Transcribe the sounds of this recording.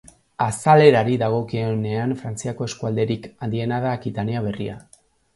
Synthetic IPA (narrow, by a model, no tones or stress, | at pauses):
asale̞ɾaɾiðaɣ̞o̞kione̞anfɾant͡siako̞e̞skuald̪e̞ɾikand̪ie̞nað̞akit̪aniaβ̞e̞ria̰